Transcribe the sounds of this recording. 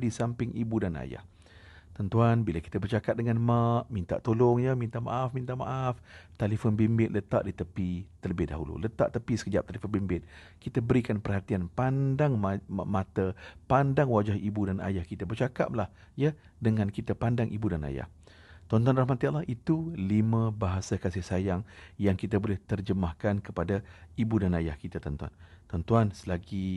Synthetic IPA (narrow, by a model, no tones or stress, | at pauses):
disampɪŋibudana̰ja̰h | t̪ɔnt̪uanbilaki̥t̪əbərt͡ʃakat̪̚dəŋanmaʔmint̪a̰ʔt̪olʊŋjəmint̪aʔma̰ʔafmint̪aʔma̰ʔaft̪alifʊnbimbɪt̪̚lət̪aʔdit̪əpit̪ərləbɪhda̰ɦṵlṵlət̪a̰ʔt̪əpisə̥kəd͡ʒap̚t̪alifʊnbimbɪt̪̚ | kit̪abəɾikanpərhat̪ianpandaŋmamat̪əpandaŋwad͡ʒahibudanʔa̰jahkit̪abərt͡ʃaka̰p̚lah | jə | dəŋãnkit̪apandaŋʔibudana̰ja̰h | t̪ɔnt̪uanrahmat̪ialahit̪ulimãbaɦasakasɪhsajaŋjaŋkit̪abolɛht̪ərd͡ʒəmahkankəpadaibudanajahkit̪at̪ɔnt̪ua̰nt̪ɔnt̪uansəlaɡi